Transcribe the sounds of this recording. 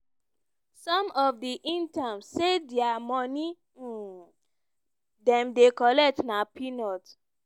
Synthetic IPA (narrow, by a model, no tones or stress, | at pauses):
sɔ̃mɔfdiʔĩntãmsːedɛamɔni | dɛ̃mdekɔlɛk̚tnapinɔt